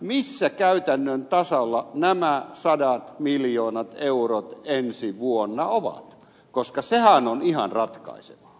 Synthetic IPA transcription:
misːækæyt̪ænːønt̪ɑsɑlːɑnæmæsɑdɑt̪miljoːnɑt̪eurot̪ensiʋuonːɑoʋɑ̰t̪ | koskɑsehænonihɑ̰nrɑt̪kɑ̰isḛʋɑ̥

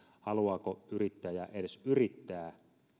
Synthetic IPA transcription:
hɑluɑːkoyrit̪ːæːjjɑʔedesyrit̪ːæː

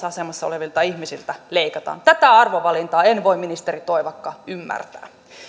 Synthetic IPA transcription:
ɑsemɑsːɑo̰leʋilt̪ɑihmisilt̪æleikɑt̪ɑ̰ːnt̪æt̪æɑrʋoʋɑlint̪ɑːenʋoimminist̪erit̪oiʋɑkːɑymːæ̰rt̪æ̰ː

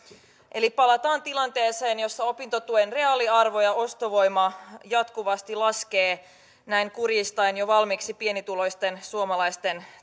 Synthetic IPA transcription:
ʔe̞lipɑlɑt̪ɑːnt̪ilɑnt̪e̞ːse̞ːnjo̞sːɑo̞pint̪o̞t̪uenre̞ɑːliɑrʋo̞jɑo̞st̪oʋo̞jmɑjɑt̪kuʋɑst̪ilɑskeː | næiŋkurjist̪ɑjnjo̞ʋɑlmiksipie̞nit̪ulo̞jst̪e̞nsuomɑlɑjst̪e̞n

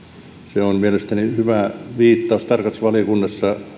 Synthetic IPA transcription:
seonmielest̪ænihyʋæˑʋiːt̪ːɑust̪ɑrkɑsʋɑlikunːɑsːɑ

